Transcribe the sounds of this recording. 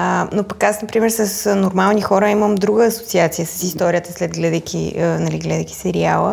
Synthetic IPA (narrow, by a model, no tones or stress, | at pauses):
nopɐkasnɐpɾimɛɾsɐsnoɾmalˠnixɔɾəiməmd̪ɾuɡəːso̥t̪siat̪sijəsɐ̥sist̪ɔɾʲijət̪əslɛd̪ɡlɛd̪əjkʲʰḭnɐliɡlɛd̪əjki̥sɛɾialˠə